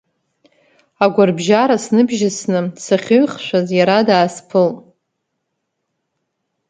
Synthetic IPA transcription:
aɡʷarbʒaɾasnɨbʒɪsnɨsaχʲɨɥχʃʷᶣazjaɾadaːspʰɨl

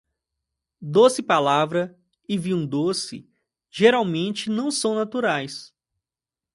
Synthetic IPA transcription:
d̪osɪpalavɾɐ | ɪviũd̪osɪ̰ | ʒeɾawmẽnt͡ʃɪnɐ̃w̃sɐ̃w̃nat̪uɾajs

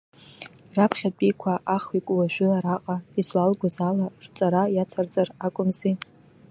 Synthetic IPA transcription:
rapʰχʲat͡pʼikʷʰaʔaχikʷʼwaʒᶣʊaɾaqʼaizlalɡʷazalart͡sʼaɾajat͡sʰart͡sʼarakʷʼʊmzi

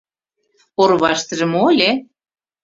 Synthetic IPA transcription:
orβɑʃt̪ə̆ʒə̆molʲe

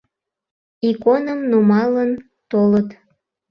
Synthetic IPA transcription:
ikonəmnumɑlən | t̪olət̪

